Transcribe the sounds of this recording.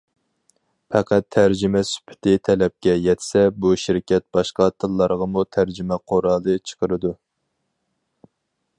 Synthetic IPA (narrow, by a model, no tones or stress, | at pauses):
pʰɛqʰæt̪ʰːæɾd͡ʒimɛsy̥pʰɪ̥t̪ʰɪt̪ʰɛlɛp̚kʲɛjɛt̪ʰɪ̥sɛbuʃiɾkʲʰɛt̪̚bɑʃqɑt̪ʰɨlˠːɑɾʁɑmut̪ʰæɾd͡ʒimɛqʰoɾɑːlˠɨt͡ʃʰə̥qʰəɾɨd̪u